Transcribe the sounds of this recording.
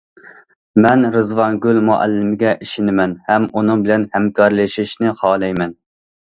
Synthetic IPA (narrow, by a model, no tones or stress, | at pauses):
mɛnɾɨzvɑnɡʲylmuʔæ̰lːɪmɪɡʲɛʔiʃinɪmɛnhɛmunɨŋbɪlɛnhɛmkʰɑɾlɨʃiʃnɪχɑːlˠɛjmɛn